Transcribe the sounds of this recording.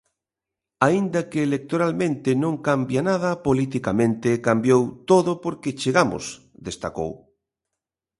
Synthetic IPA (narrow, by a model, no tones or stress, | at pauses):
aind̪akeːlek̚t̪oɾalmẽnt̪enõŋkambjanaðɐpolit̪̬ikamẽnt̪ekambjowt̪oðopoɾket͡ʃeɣamo̰s | d̪est̪ako̰w